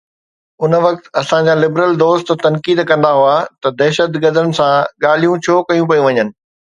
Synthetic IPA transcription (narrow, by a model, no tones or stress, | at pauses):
ʊnʋɐk̚t̪ɐsãd͡ʑaːlɪbɾəld̪oːst̪t̪ɐnkiːd̪kɐ̃nd̪aɦʊat̪ɐd̪ɛːʃət̪ɡɐd̪ənɪ̆sãɠaːl̤ijũt͡ɕʰoːkɐjũpɐjũʋɐɲənɪ̆